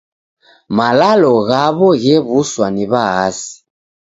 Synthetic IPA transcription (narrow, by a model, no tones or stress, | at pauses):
malalɔɣaβɔɣɛβuswaniβaasi̥